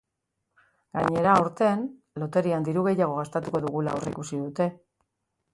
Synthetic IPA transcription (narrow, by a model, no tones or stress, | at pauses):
ɡ̥aɲe̞ɾaːwɾt̪e̞n | lo̞t̪e̞ɾiand̪iɾuɣe̞jaɣ̞o̞ɣ̞ast̪at̪uko̞ðuɣula̰oreḭkusiðut̪e̞